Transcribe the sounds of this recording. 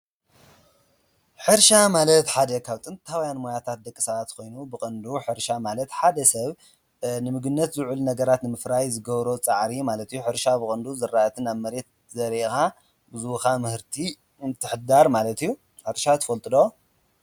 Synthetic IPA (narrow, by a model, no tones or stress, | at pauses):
ħɨɾʃamalɐt̪ħad̪ɐkʰawt̪ʼɨnt̪ʰawjanmojat̪ʰat̪̚d̪ɐkʼːisaβat̪kʰo̞jnubɨkʼɨnd̪uħɨɾʃamalɐt̪ħad̪ɐsɐβ | nɨmɨɡɨnːɐt̪zɨʕulnɐɡɐɾat̪nɨmɨfɾajzɨɡɐβɾo̞t͡sʼaʕɾimalɐt̪ijːuħɨɾʃabɨkʼɨnd̪uzɨrːaʔt̪ʰɨnaβmɐɾe̞t̪̚ | zɐɾika | bɨzukamɨhɨɾt̪ʰi | ɨnt̪ʰːɨħɨd̪aɾmalɐt̪ijːu | ħɨɾʃat̪ʰɨ̥fɐlt̪ʼɨd̪o